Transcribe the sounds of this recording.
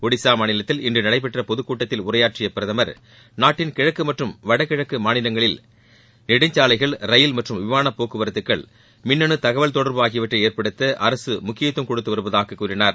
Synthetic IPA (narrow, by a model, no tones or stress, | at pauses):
ɔɽɪsaːmaːnɪlɐt̪ːɪlɪndrɯnɐɽɐɪp̬ːɛʈrɐpɔðɯkːuːʈːɐt̪ːɪlʊɾɐjaːʈt͡ʃɪjɐpːɪɾɐðɐmɐɾ | naːʈːɪnkɪɻɐkːɯmɐʈrɯmʋɐɽɐkɪɻɐkːɯmaːnɪlɐŋɡɐɭɪl | nɪɽɯɲd͡ʒaːlɐɪɣɐɭɾɐjɪlmɐʈrɯmʋɪʋaːnɐpːoːkːɯʋɐɾɐt̪ːɯkːɐɭ | mɪnːɐɳɯt̪ɐɣɐʋɐlt̪ɔɽɐɾbɯaːɣɪjɐʋɐʈrɐeːɾpɐɽɯt̪ːɐʔɐɾɐsɯmʊkːɪjɐt̪ːɯmkɔɽɯt̪ːɯʋɐɾɯʋɐðaːkɐkːuːɾɪnaːɾ